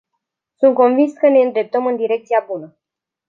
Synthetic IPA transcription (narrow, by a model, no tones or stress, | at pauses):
sunt̪̚ko̞nvinskəne̞ɨnd̪ɾe̞p̚t̪əmɨnd̪iɾe̞k̚t̪siabunə